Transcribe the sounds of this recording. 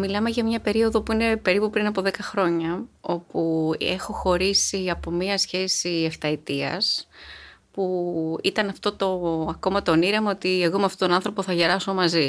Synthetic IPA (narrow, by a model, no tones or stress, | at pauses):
milɐme̞ʝɐmɲɐpe̞ɾio̞ðo̞puine̞pe̞ɾipupɾinɐpo̞ðe̞kɐxɾo̞ɲɐo̞pue̞̰xo̞xo̞ɾisiɐpo̞miɐsçe̞sieft̪ɐit̪iɐ̰s | puit̪ɐnɐft̪o̞t̪o̞ɐko̞mɐt̪o̞niɾemɐot̪ie̞ɣo̞meɐft̪ot̪onɐnθɾo̞po̞θɐʝe̞ɾɐso̞mɐzi